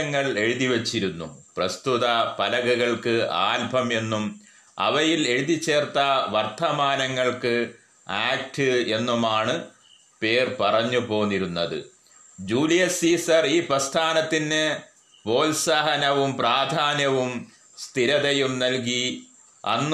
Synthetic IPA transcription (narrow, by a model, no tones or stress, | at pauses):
ɐŋːɐɭe̞ɻuðiʋɐt͡ɕːiɾunːṵprɐst̪uðɐpɐlɐɣuɣɐɭkɨa̰ːlbʱɐme̞nːum | ɐ̰ʋɐjile̞ɻuðit͡ɕːe̞ːrt̪ɐʋɐrt̪ʰɐmaːnɐŋːɐɭkɨ | aːk̚ʈɨe̞nːumaːɳɨ | pe̞ːrpɐrɐɲːupo̞ːnːiɾunːɐðɨ̰ | d͡ʑuːlijɐsiːsɐriːprɐst̪ʰaːnɐt̪ːinːɨ | po̞ːlsaɦɐnɐʋumpraːd̪ʱaːnjɐʋum | st̪ʰiɾɐðɐjumnɐlk̬i | ɐ̰nː